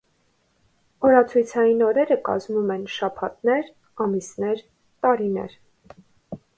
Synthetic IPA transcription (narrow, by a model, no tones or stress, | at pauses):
ɔɾɑt͡sʰujt͡sʰɑjinɔɾɛɾəkɑ̰zmumɛnʃɑpʰɑt̪nɛɾ | ɑmisnɛɾ | t̪ɑɾinɛ̰ɾ